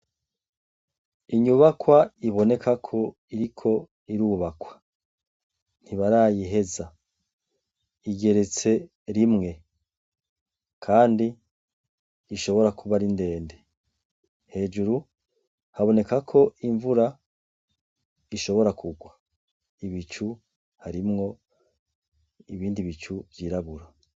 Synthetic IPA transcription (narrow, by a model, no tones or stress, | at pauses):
iɲuβakwaiβo̞ne̞kʰakʰo̞ | iɾikʰo̞ | iɾuβakwḁ | n̥hiβaɾaːjiɦe̞za | iɡe̞ɾe̞t͡se̞ | ɾimŋe̞ | kʰaːndi | ʃo̞βo̞ɾakuβaɾinde̞ːnde | he̞ːd͡ʒuɾu | haβo̞ne̞kakʰo̞iɱvuɾa | iʃo̞βo̞ɾakʰuɡwa | iβit͡ʃu | haɾimŋo̞ | iβiːndiβit͡ʃuvjiːɾaβuɾa